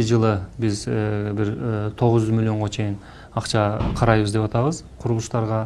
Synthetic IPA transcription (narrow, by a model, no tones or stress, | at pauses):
ɪd͡ʒɯlˠɯbizbiɾt̪ʰo̞ʁʊzd͡ʒyzmɪlʲːjo̞ɴʁot͡ʃʰe̞jɪn | ɑqt͡ʃɑqʰɑɾɑjβɯzd̪epɑt̪ɑβəz̥ | qʰʊɾulˠuʃt̪ɑɾʁɑ